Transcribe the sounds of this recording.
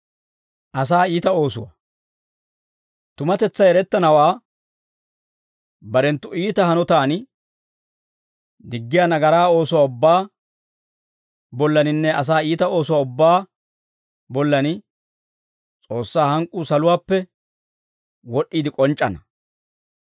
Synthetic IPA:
ʔɐs̬aːiːt̪ɐo̞ːsʊwɐ̰ | t̪ʊmɐt̪ɛt͡sːɐjɛɾɛt̪ːɐnɐwaː | bɐɾɛnt̪ːʊiːt̪ɐhɐnɔt̪aːn | d̪ɪɡːɪjaːnɐɡɐɾaːo̞ːsʊwaːʊbːaː | bɔlːɐnɪnːɛɐs̬aːiːt̪ɐo̞ːsʊwaːʊbːaː | bɔlːɐnɪ | t͡sʼo̞ːsːaːhɐŋkʼːuːsɐlʊwaːpːɛ | wɔɗiːd̪ɪkʼɔnt͡ʃʼːɐnɐ

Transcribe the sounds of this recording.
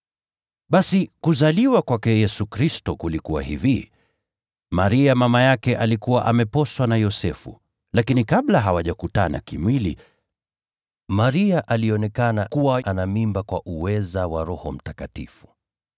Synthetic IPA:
ɓasikuzaliwakwakɛjɛsukɾistɔkulikuwa̰hivi | maɾiamamajakɛʔalikuwaʔamɛpɔswanajɔsɛfṵ | lakinikaɓlaɦawaʄakutana̰kimwilḭ | maɾiaʔaliɔnɛkanakuwaʔanamimbakwaʔuwɛzawaɾɔhɔm̩takatḭfu̥

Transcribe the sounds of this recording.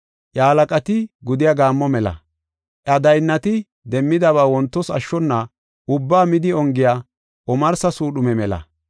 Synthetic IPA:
ʔjaːlɐkʼɐt̪ɪɡʊd̪ɪjaɡaːmːɔmɛlɐ̰ | ʔɐd̪ɐjnːɐt̪ɪ | d̪ɛmːɪd̪ɐβaːwɔnt̪ːɔsɐ̰ʃːɔnːɐ | ʔʊbːaːmɪd̪ɪɔŋɡɪjaː | ʔɔmɐɾsɐsuːɗʊmɛmɛlɐ̰

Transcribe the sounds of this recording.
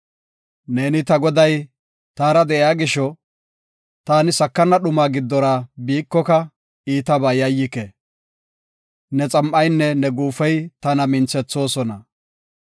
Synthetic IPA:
ne̞ːnɪt̪ɐɡɔd̪ɐj | t̪aːɾɐd̪ɛʔɪaːɡɪʃɔ | t̪aːnɪsɐkːɐnːɐɗʊmaːɡɪd̪ːɔɾaːbiːkːɔkɐ | iːt̪ɐbaːjɐjːɪkɛ | nɛt͡sʼɐmʔɐjnːɛnɛɡuːfɛjt̪ɐnɐmɪnt͡sɛt͡sːo̞ːsɔnɐ

